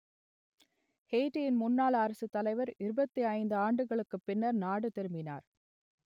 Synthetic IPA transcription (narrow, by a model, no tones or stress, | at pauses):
heːʈːijɪnmʊnːaːlɐɾɐsɯt̪ːɐlɐɪʋɐɾɪɾɯbɐt̪ːiɐɪnd̪ɯaːɳɖɯɣɐɭɯkːɯpːɪnːɐɾnaːɽɯt̪ɛɾɯmbɪna̰ːɾ